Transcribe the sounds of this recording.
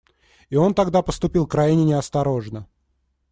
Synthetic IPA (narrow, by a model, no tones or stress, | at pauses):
io̞nt̪ɐɡd̪apəst̪ʊpʲilˠkɾajɪnʲɪnʲɪɐst̪ɐɾo̞ʐnə